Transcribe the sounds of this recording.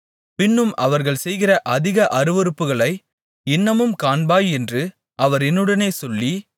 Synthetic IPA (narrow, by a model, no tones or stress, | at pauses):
pɪnːɯmʔɐʋɐɾɣɐɭsɛjɣɪrɐʔɐðɪɣɐʔɐɾɯʋɯɾɯpːɯɣɐɭɐɪ | ɪnːɐmɯmkaːnbaːjɛndrɯ | ʔɐʋɐɾɛnːɯɽɐneːsɔlːi